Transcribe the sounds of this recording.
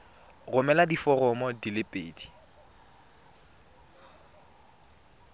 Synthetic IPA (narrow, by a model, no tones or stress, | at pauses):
ɣʊmɛladifɔrɔmɔdilɪpʼḛːdi̥